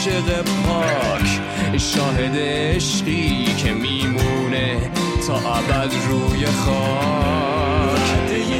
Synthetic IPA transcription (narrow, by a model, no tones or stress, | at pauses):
ʃeɣepʰɒː | kʰ | ʃɒːɦe̞d̪e | eʃɢiːkʰemiːmuːne̞ | t̪ʰɒːʔæbæd̪ɾuːjeχɔː | kʰ